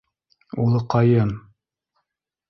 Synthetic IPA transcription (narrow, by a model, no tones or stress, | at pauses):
ulˠɤqɑjɤn